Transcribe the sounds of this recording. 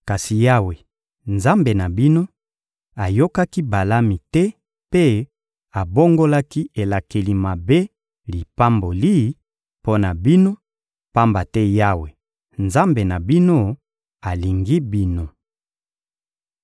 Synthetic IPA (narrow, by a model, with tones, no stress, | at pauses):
ka˨si˨ja˦we˨ | nza˦mbe˨na˨bi˦no˦ | a˨jo˦ka˦ki˦ba˨la˦mi˨tɛ˦ | pe˦ | a˨bo˦ŋɡo˦la˦ki˦e˨la˨ke˨li˨ma˨be˦ | li˨pa˦mbo˨li˦ | po˦na˨bi˦no˦ | pa˦mba˨tɛ˦ja˦we˨ | nza˦mbe˨na˨bi˦no˦ | a˨li˨ŋɡi˦bi˦no˦